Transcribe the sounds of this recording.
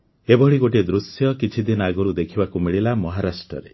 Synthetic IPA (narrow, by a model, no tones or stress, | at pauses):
ebʱɔɭiɡoʈ̬ed̪ɾusjɔkit͡ʃʰid̪inɔaɡɔɾud̪ekʰibakumiɭilamɔɦaɾasʈɾɔ̰ɾe